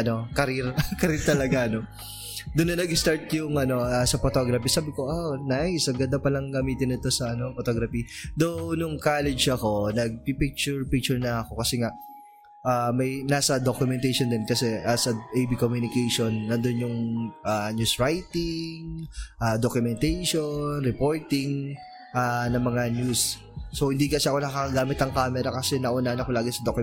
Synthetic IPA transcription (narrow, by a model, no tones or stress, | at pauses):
ɐno̞kɐɾiɾkɐɾiɾt̪ɐlɐɡaɐno̞ | d̪ʊnːɐnɐɡɪst̪aɹt̪jʊŋʔɐno̞ɐsɐfot̪o̞ɡɾɐpɛsaːbɪko̞ʔanajsɐɡɐnd̪ɐpɐlɐŋɡɐmiːt̪ɪnɪt̪o̞sɐɐno̞fot̪oɡɾɐpid̪onʊŋkaːlɛd͡ʒɐko̞nɐɡ̚pipik̚t͡ʃʊɹpik̚t͡ʃʊɹnɐɐko̞kɐsɛŋaʔ | ʔamɐjnaːsɐd̪okjʊmɛnt̪ɛjʃond̪ɛnkɐsɛʔɐsɐʔejbikomjunɪkejʃonːɐnd̪onjʊŋʔanjusɹajt̪ɪŋʔaːd̪okjʊmɛnt̪ɛjʃonɾɛpo̞ɹt̪ɪŋ | ʔanɐŋmɐŋanjusː | ohɪnd̪ikɐsɛɐko̞nɐkɐkɐɡaːmɪt̪ɐŋkaːmɛɾɐkɐsɛnɐʔʊnaʔnɐko̞laːɡɪsɐd̪ok